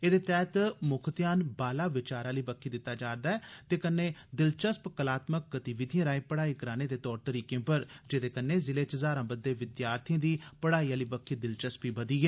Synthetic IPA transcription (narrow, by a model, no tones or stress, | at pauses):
eːd̪eːt̪ɛːt̪mʊkʰət̪jaːnbaːlaːʋɪt͡ʃaːɾaːliːbəkʰiːd̪ɪt̪ːaːd͡ʒaːɾd̪aːɛːt̪eːkənːeːd̪ɪlt͡ʃəspkəlaːt̪mək̚ɡət̪iʋɪd̪ʱijãːɾaːẽːpəɽaːiːkəɾaːneːd̪eːt̪ɔːɾt̪əɾiːkẽːpəɾd͡ʒɪd̪eːkənːeːzɪleːt͡ʃəzaːɾãːbəd̪ːeːʋɪd̪jaːɾt̪ʰijĩd̪iːpəɽaːiːaːliːbəkʰːiːd̪ɪlt͡ʃəspiːbəd̪iːɛː